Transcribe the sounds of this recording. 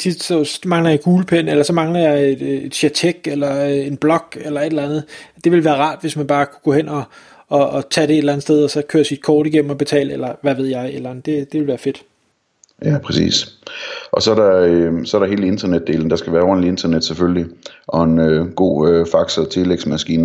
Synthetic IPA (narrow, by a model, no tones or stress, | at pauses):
t͡sʰid̥sɒmɑ̈ŋlɐjɑ̈ɡ̥uːləpʰen̰elɐsɒ̽mɑ̈ŋlɐjɑ̈ɪed̥ed̥ɕjæt͡sʰeɡ̥elɐe̝nb̥lɒ̽ɡ̥elɐe̝d̥lænð̞̩ˠd̥e̝ʋe̝lʋæːɐʁɑ̰̈ːd̥ʋe̝smænb̥ɑ̈ːkʰu̥ɡ̥ɔ̽hen̰ɒ̽ː | t͡sʰæɾ̥ee̝d̥elænð̩ˠsd̥eð̞ˠɒsɒ̽kʰø̰ːɐsid̥̚kʰɒːd̥iɡ̥em̰m̩ɒ̽b̥e̝t͡sʰɛ̰ːləelɐʋæʋe̝ð̞̰ˠjɑ̈ɪed̥lænð̩ˠd̥e̝d̥e̝ʋe̝lʋæːɐfe̝d̥ | jæpʰʁɛsḭːs | ʔɒ̽sɒæɐɾɑøsɒ̽æɐɾɑ̈ɦe̝ːləe̝nd̥ɐned̥̚ːe̝̰ːln̩d̥ɑ̈sɡ̥æʋæːɐɒnlie̝nd̥ɐned̥sefølliʔɒ̽enøɡ̥o̝̰ːøfɑ̈ɡ̥sɒt͡sʰe̝leɡ̥smæsɡ̥ḭːnə